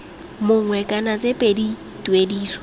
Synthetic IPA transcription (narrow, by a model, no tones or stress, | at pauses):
mʊŋ̩wɛkʼanat͡sʼepʼedi | tʼwediːswɔ̥